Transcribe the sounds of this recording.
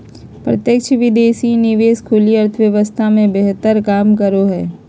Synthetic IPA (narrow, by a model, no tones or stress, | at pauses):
pɾə̰t̪jəkt͡ʃʰʋɪd̪eːsinɪʋeːskʰʊliɐɾt̪ʰəʋjəʋəst̪ʰamẽbeɦt̪əɾkaːmkəɾoɦɛː